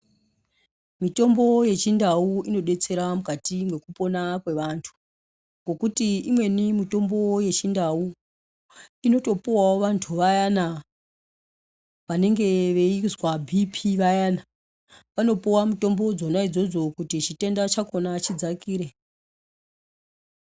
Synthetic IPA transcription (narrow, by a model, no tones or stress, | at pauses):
mito̞mbo̞je̞t͡ʃindauino̞ɗe̞t͡se̞ɾamukatimwe̞kupo̞nakwe̞ʋantʰu̥ | ŋɡo̞kutiimwe̞nimito̞mbo̞je̞t͡ʃindau | ino̞to̞puwaoʋantʰuʋajana | ʋane̞ŋɡe̞ʋe̞izwabʱipʰiʋajaːna | ʋano̞puwamito̞mbo̞d͡zo̞naid͡zo̞d͡zo̞kutit͡ʃite̞ndat͡ʃako̞nat͡ʃid͡zakiːɾe